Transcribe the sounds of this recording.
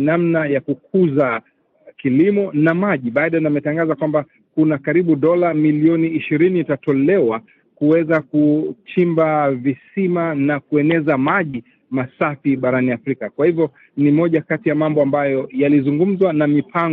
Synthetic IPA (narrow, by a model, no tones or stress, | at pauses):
namnajakuk̚ʰuza | kilimɔnamaʄiɓaːɗaɛnamɛtaŋɡazakwamba | kunakaɾiɓuɗɔlamiliɔniːʃiɾiniitatɔlɛwa | kuwɛzakut͡ʃimbavisimanakuɛnɛzamaʄi | masafiɓaɾaniafɾikakwahivjɔ | nimɔʄakatijamambɔambajɔjalizuŋɡum̩zwanamipʰaŋ